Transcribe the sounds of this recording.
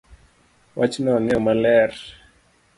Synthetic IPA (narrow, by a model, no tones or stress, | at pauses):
wʔat͡ʃnɔnɪɔmalɛr